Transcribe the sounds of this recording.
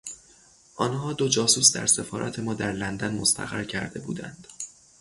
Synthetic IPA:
ʔɒːnhɒːd̪od͡ʒɒːsuːsd̪æ̰ɾse̞fɒːɾæ̰t̪ʰe̞mɒːd̪æɾlænd̪ænmost̪ʰæ̰ɣæɾcʰæɾd̪e̞bṵːd̪æ̰nd̪̥

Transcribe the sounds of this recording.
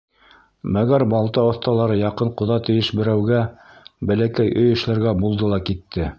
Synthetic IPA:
mæɡæɾbɑlˠt̪ɑŏθt̪ɑlˠɑɾɤjɑqɤɴqŏðɑt̪ɘ̆jɘʃbɘ̆ɾæwɡæ | bælækæjʔɵjɘ̆ʃlæɾɡæbulˠd̪ɤlˠɑkit̪ːɘ

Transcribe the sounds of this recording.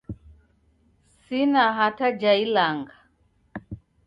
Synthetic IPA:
sinaɦatad͡ʒailaŋɡa

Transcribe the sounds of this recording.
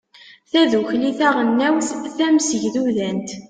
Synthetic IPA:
θæðuçliθæʁənːæwθθæmsəʝðuðænt̪

